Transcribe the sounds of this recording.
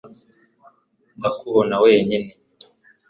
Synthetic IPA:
ndakuβonawe̞ːɲine

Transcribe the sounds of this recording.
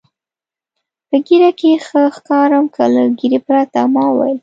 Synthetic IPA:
pəɡiɾakexəxkɑɾamkʰələɡiɾepɾat̪amɑwa̰jl

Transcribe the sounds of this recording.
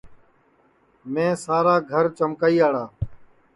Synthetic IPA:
mẽːsaːɾaːɡʱəɾt͡ʃəmkaːiːaːɽaː

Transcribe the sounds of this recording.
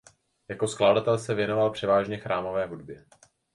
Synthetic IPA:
jakoskladat̪ɛlsɛvjɛno̞valpr̝̥ɛvaːʒɲɛxɾʔaːmo̞vɛːɦudbjɛ

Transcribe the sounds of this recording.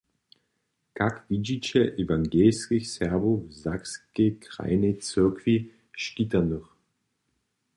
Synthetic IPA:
kʰakv̥id͡ʒit͡ʃeʔevaŋɡeskɪçsɛɐbozakskekʁa̰ɪnet͡sʏkʰv̥i | ʃkitanuʁ

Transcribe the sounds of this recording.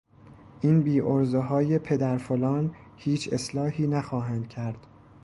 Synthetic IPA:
ʔiːnbiːʔoɾzeɦɒːje̞pʰe̞d̪æɾfolɒːn | hiːt͡ʃʰe̞slɒːhiːnæxɒːɦænd̪̥̚cʰæɾd̪̥

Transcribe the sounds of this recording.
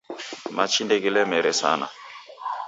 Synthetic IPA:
ma̰t͡ʃindeɡɛlɛmɛɾɛsa̰na̰

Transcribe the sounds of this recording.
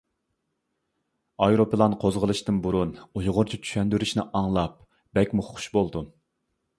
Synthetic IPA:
ɑjɾopʰɨlˠɑnqʰozʁəlˠɨʃt̪ɨnbuɾunujʊʁʊɾt͡ʃʰit͡ʃʰy̥ʃɛnd̪yɾyʃnɪʔɑŋlˠɑp̚ | b̥ɛkʲmuχʰʊ̥ʃbolˠd̪u

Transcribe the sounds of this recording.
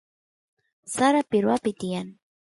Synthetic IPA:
saɾapɪɾwapɪt̪ɪjan

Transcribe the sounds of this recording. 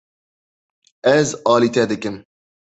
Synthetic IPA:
ɛzɑːlit̪ʰɛd̪ɨkɨm

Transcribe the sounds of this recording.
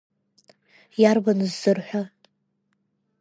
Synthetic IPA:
jarbanɨzːɨrħʷᶣa

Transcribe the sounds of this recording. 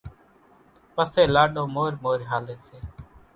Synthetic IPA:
pəseːlaːɗõːmoːɾmoːɾɦaːleːseː

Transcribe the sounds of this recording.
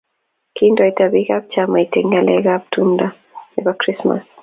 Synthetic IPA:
kindojt̪aβiɣab̚t͡ʃamajtɛŋɡaleɣab̚tunda | ebakɾisma̰s

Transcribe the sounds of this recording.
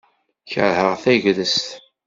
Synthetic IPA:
çə̰ɾhəʁθæʝðəst̪

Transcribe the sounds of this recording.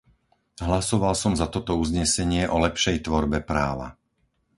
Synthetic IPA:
ɦlasɔʋalsɔmzat̪ɔt̪ɔuzɲɛsɛɲɪɛʔɔlɛpʃɛjt̪ʋɔɾbɛpɾa̰ːʋa̰

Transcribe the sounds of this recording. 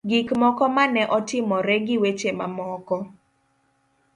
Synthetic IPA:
ɡikmɔkɔmanɛʔɔtɪmɔɾɛɡɪwet͡ʃemamɔkɔ

